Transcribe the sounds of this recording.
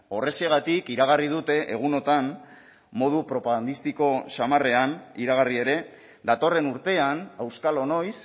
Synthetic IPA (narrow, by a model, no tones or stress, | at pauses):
o̞re̞se̞ɣ̞at̪ikiɾaɣ̞arið̞ut̪e̞ʔeɣ̞uno̞t̪an | mo̞ð̞upɾo̞paɣand̪ist̪iko̞samare̞aniɾaɣ̞arie̞ɾe̞ | d̪at̪o̞re̞nuɾt̪e̞anawskalo̞no̞js